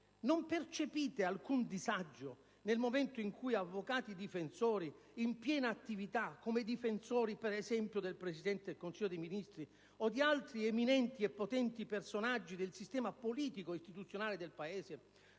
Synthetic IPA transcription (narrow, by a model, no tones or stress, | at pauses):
nompert͡ʃepiːt̪ealkund̪izad͡ʒːo | nelmomɛnt̪oiŋkujavːokaːt̪id̪ifensɔːɾi | impjɛːnaːt̪ːivit̪akːomed̪ifensɔːɾipɛɾɛzɛmpjod̪elpɾesid̪ɛnt̪eɪd̪elkonsiʎːod̪ejminist̪ɾi | od̪ialt̪ɾieminɛnt̪iɛpːot̪ɛnt̪ipersonad͡ʒːid̪elsist̪ɛːmapoliːt̪ikoist̪it̪ut̪sːjonaːled̪elpaeːse